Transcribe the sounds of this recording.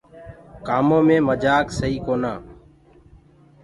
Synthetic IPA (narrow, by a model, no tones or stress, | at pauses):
kaːmõːmẽːməd͡ʒaːksəiːkoːnaː